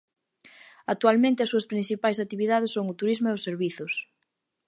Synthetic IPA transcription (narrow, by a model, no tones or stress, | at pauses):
ak̚t̪ualmẽnt̪ɪɐsuɐspɾin̟θipajsat̪iβiðaðesːoŋʊt̪uɾizmʊeʊsːeɾβiθʊs